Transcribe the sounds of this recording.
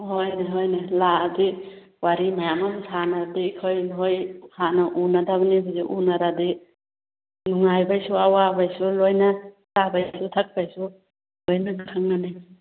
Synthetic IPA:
hojniɦojniladi | waɾimajamamsʰanadikʰojnɦojhanɐʔunadaβanibɔziʔunaɾadi | nuŋajbajsuawabajsulojnɐ | sabajsutʰak̚bajsu | lojnaŋakʰaŋnani

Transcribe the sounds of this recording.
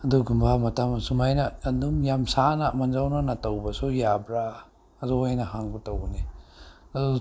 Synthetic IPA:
ɐduɡumbamɐtamɐsumajnɐdumjamsanɐmand͡ʒawnanɐtawbɐsujabɾaː | zɔhajnɐhaŋbutawni

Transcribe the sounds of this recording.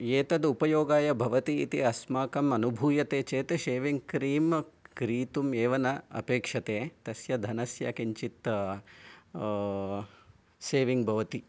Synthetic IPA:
eːt̪ɐd̪upɐjoːɡaːjɐbʱɐʋɐt̪ḭːt̪ḭɐsmaːkɐmɐnubʱuːjɐt̪eːt͡ʃeːt̪eʃeːʋiŋɡkɾiːmkɾiːt̪umeːʋɐnɐɐ̰peːkʂɐt̪eːt̪ɐsjɐd̪ʱɐnɐsjɐ̰kiɲt͡ʃit̪ | seːʋiŋɡbʱɐʋɐt̪i

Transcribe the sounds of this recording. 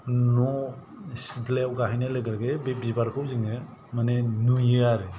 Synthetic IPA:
nɔ | sidlewɡaɦajnaleɡaɡebepibaɾkʰɯwziŋemanenujɯaɾe

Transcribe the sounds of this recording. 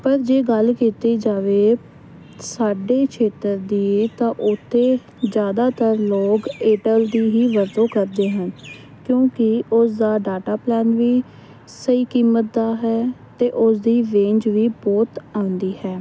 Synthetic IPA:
pəɾd͡ʒeːɡəlkiːt̪eːd͡ʒaːʋeː | saːɖeːkt͡ʃʰeːt̪əɾd̪iːeːt̪ãːʔʊt̪ʰːeː | d͡ʒjaːd̪aːt̪əɾloːkeːʈəld̪iːɦiːʋəɾd̪õːkəɾd̪eːɦən | kjõːkɪʊsd̪aːɖaːʈaːplɛːnʋiː | səiːkiːmːət̪̚d̪aːɦɛːt̪eːʔʊsd̪iːʋẽːɲd͡ʒʋiːbɔːt̪ãːʊ̃nd̪iːhɛː

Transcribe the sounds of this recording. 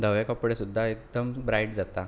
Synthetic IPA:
d̪ʱəʋekəpɽesud̪ʱːaek̚d̪əmbɾajʈd͡zat̪a

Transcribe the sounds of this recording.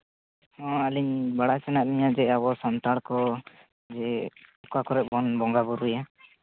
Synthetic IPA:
hɔ̃aliɲbaɽasɛnaʔ̚liɲad͡ʒɛabɔsɔnt̪aɽkɔ | d͡ʒɛukakɔɾɛʔ̚bɔnbɔŋɡabuɾija

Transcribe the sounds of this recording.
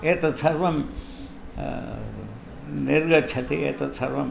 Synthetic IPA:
et̪ɐt͡sʰɐɾʋɐm | niɾɡɐʈt͡ʃʰɐt̪iḛt̪ɐt͡sʰɐɾʋɐm

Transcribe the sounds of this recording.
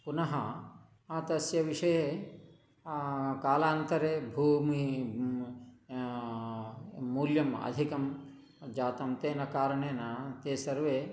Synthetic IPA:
punɐɦɐ | aːt̪ɐsjɐʋiʂɐje | kaːlaːnt̪ɐɾeːbʱuːmi | muːljɐmɐ̰d̪ʱikɐm | d͡ʒaːt̪ɐmt̪eːnɐkaːɾɐɳeːnɐt̪eːsɐɾʋeː

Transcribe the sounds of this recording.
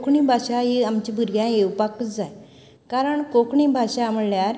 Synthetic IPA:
kʰɳibʱaɕajeamt͡ɕibʱuɾɡjãewpakət͡sd͡zaj | kaɾəɳkokɳibʱaɕaməljaɾ

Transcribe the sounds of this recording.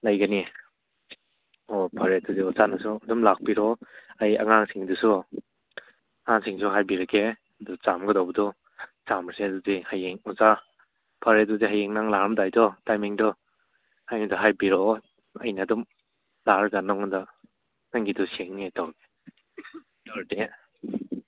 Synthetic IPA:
lajɡani | ɔpʰaɾeduziɔzanasudumlak̚piɾɔaja̰ŋaŋsiŋdusu | ŋaŋsiŋsuɦajbiɾakʰe | ɐdut͡ʃamɡədɔwbɐdɔ | samɾseduzihajeŋɔza | pʰaɾeduziɦajeŋnaŋlaɾmdajdɔtajmiŋdɔ | hajnidɔɦajbiɾɔ | a̰jnaːdum | laɾɡanɔŋɯda | naŋɡidɔseŋnetawɡe | dɔɾde

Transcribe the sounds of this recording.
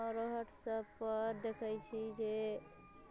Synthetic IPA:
ɾəɦəʈsəbpəɾd̪ekʰəjt͡ʃʰid͡ʒe

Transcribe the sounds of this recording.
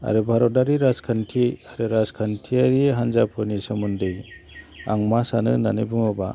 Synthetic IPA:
a̰ɾɯbʱaɾɔdaɾiɾazkʰantʰiaɾɯɾazkʰantʰiaɾiɦanzapʰɯnisɯmundɯj | a̰ŋmasanɯ̰nanɯbuŋɔba̰

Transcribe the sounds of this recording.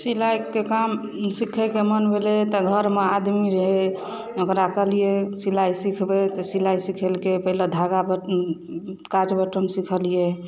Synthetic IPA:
silajkekam | sikʰɛkemənbʱelet̪ɔɡʱəɾmead̪miɾeɦe | əɡɾakəlijesilajsikʰbet̪ɔsilajsikʰelkepəɦiled̪ʱaɡabə | kad͡ʒbəʈəmsikʰəlije

